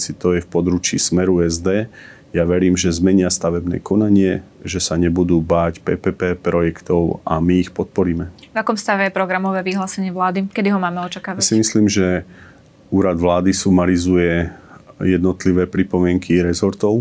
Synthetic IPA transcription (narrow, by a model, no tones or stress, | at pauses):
asit̪ɔjɛfpɔd̪ɾuːt͡ʃḭːsmɛɾuɛzd̪ɛː | jaʋɛɾiːmʒɛzmɛɲɪast̪aʋɛbnɛ̰ːkɔnaɲɪɛ | ʒɛsaɲɛbud̪uːbaːcpɛːpɛːpɛːpɾɔjɛkt̪ɔʊa̰miːxpɔt̪̚pɔɾiːmɛvakɔmst̪aʋɛjɛpɾɔɡɾamɔʋɛːʋiɦlaːsɛɲɪɛʋlaːd̪ikɛd̪iɦɔmaːmɛɔt͡ʃakaːasimisliːmʒɛ | uːɾad̪ʋlaːd̪isumaɾizujɛ | jɛd̪nɔt̪liʋɛːpɾipɔmɪɛŋkʰiɾɛzɔɾt̪ɔʊ